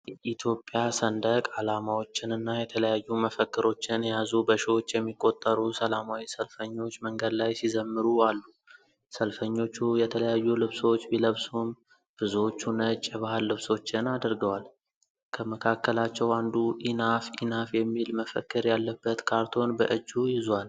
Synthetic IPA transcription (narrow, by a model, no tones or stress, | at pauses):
jɛʔit̪ʰjo̞pʼːjasənd̪əkʼalamawo̞t͡ʃːɪnɨnːajɛt̪ʰələjajːuməfəkːɨɾo̞t͡ʃːɪnjazubəʃwot͡ʃːjɛmːikʼːo̞t̪ʼːəɾusəlamawisəlfəɲːo̞t͡ʃːməŋɡəd̪lajsizəmːɨɾualːu | səlfəɲːo̞t͡ʃːujɛt̪ʰələjajːulɨβso̞t͡ʃːbiləβsum | b̥ɨzwot͡ʃːunət͡ʃʼːɪβahɨlːɨβso̞t͡ʃːɪnad̪əɾɡəwal | kʰəməkʰakːəlat͡ʃːɛwand̪uʔinafinafjɛmːilməfə̰kːɨɾjalːəbːət̪kʰaɾt̪ʰo̞nbəʔɨd͡ʒːujɪzwal